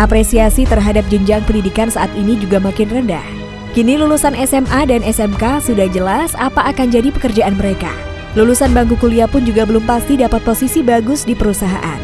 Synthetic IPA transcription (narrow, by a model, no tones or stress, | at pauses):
ʔapɾesiasit̪ərɦadap̚d͡ʒəɲd͡ʒaŋpəndidikansaʔat̪inid͡ʒuɡamakɪnrənda̰h | kinilulusanɛsɛmʔadanɛsɛmkasudahd͡ʒəlasapaːkand͡ʒadipəkərd͡ʒaʔanməɾeka̰ | lulusanbaŋkukuliapʊnd͡ʒuɡabəlʊmpast̪idapat̪̚posisibaɡʊsdipəɾusaɦa̰ʔa̰n